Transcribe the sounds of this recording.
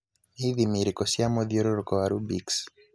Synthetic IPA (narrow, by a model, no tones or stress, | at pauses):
iðimiɾikɔsjamɔðjɔɾɔɾkɔaɾubiks